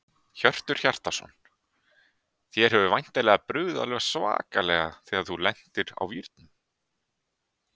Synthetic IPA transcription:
çœr̥t̪ʏɾ̥çar̥t̪asɔ̰nː | θjɛɾɦɛvʏvajn̥t̪alɛɣapɾʏːða̰lɛɣasva̰ːkalɛɣaθɛːaðθulɛn̥t̪ɪɾa̰wviɾt̪nʏm

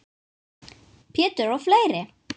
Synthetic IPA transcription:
pʰɛːt̪ʏɹɔɣfleːjɾɪ

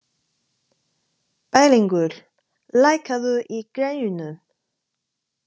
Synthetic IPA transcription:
paːjliŋkʏɾ̥ | laːjkaðʏʔikɾejjʏnʏ

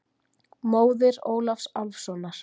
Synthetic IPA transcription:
moːwðɪɾoːwlafsalfsɔnaɾ̥

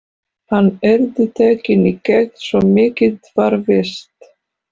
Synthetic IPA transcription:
hanːɛɾðɪt̪ʰɛːcɪnicɛɣnsɔmɪːcɪt̪vaɾvɪst̪

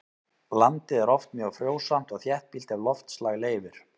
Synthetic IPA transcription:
lant̪ɪðɛɾɔft̪mjœːɣfɾjoːwsam̥t̪ɔɣθjɛht̪̚pilt̪avlɔft̪slaɣleːjvɪɾ̥

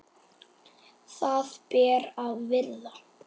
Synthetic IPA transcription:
θaðpɛːɾavvɪla

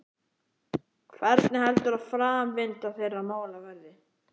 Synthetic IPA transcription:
kʰvɛɾt̪nɪhɛlt̪ʏɾaðfɾaːmvɪnt̪aθejrːamaːwlavɛɾðɪ

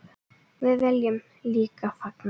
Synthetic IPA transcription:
vɪðvɛljʏm | liːkafakn

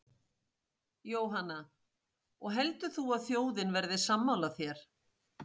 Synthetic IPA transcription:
joːwɦanːa | ɔɣɦɛlt̪ʏθuaðθjoːwðɪnvɛɾðɪsamːawlaθjɛɾ̥

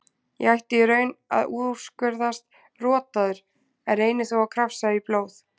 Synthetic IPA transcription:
jɛ̰ɣajht̪ɪɾœːɥna̰ðuːðu̥skœɾðast̪ | rɔːt̪aðʏɾ̥ | ɛɾeːjnɪθowawkʰɾafsaiploːwθ

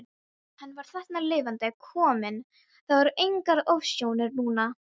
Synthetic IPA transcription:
hanːvaɾ̥θɛht̪nalɪːvant̪akʰɔːmɪn | θavaɾʔejŋkaɾowvsjoːwnɪɾnuːna

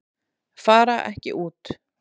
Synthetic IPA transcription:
faːɾaʔɛ̰hcɪ̰ʔuːt̪

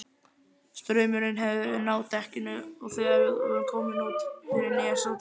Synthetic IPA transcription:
st̪ɾœːɥmʏɾɪnɦɛvðɪɪnaːwt̪ʰɛhcɪnʏɔɣθɛɣavɪðɔ̰ɣɛnkʰɔːwmɪnuːt̪fɪɾɪniɛsa

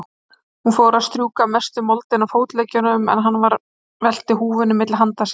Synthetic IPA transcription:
hunfɔːɾaðst̪ɾjuːkamɛst̪ʏmɔlt̪ɪnːafoːwt̪leːjcʏnʏmɛ̰nɦanːvaɾ | vɛl̥t̪ɪɦuːvʏnɪmɪt̪lɦant̪as

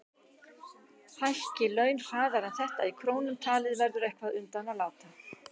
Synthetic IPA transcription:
hajhcɪlœːɥnr̥aːðaɾɛnθɛht̪a̰ikʰɾoːwnʏmt̪ʰaːlɪðvɛɾðʏɾɛjhkvaðʏnt̪analaːwt̪a

